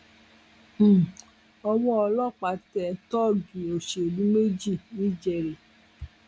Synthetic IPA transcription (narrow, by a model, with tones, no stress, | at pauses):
ɔ˧wɔ̃˦ɔ˧lɔ˦˨k͡pa˨˧tɛ˧˨tɔ˦˨ɡi˨o˨ʃe˨dũ˦me˦d͡ʒi˦˨nĩ˦˨d͡ʒɛ˧ɾi˨